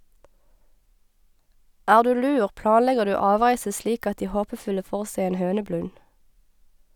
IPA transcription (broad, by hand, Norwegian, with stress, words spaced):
ˈæːʁ ˈdʉː ˈlʉːʁ ˈplɑːnˌlɛɡəʁ ˈdʉː ˈɑːˌʋʁæɪsə ˈʃliːk ˈɑt ˈdiː ˈhoːpəˌfʉlə ˈfoːʁ ˈsæɪ ˈeːn ˈhøːnəˌblʉn